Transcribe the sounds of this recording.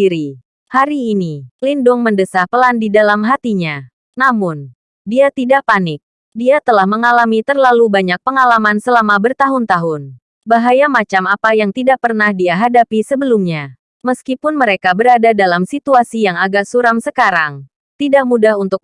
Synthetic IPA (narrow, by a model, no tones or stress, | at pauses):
iɾi | haɾiːnilindʊŋməndəsahpəlandidalamɦat̪iɲa | namʊn | diat̪idaʔ̚panɪk̚ | diat̪əlahməŋalamit̪ərlalubaɲak̚pəŋalamansəlamabərt̪aɦʊnt̪aɦʊn | baɦajamat͡ʃamapajaŋt̪idaʔ̚pərnahdiaɦadapisəbəlumɲa | məskipʊnməɾekabəɾadadalamsit̪uasijaŋaɡarsuɾamsəkaɾaŋ | t̪idaʔ̚mudahunt̪ʊk̚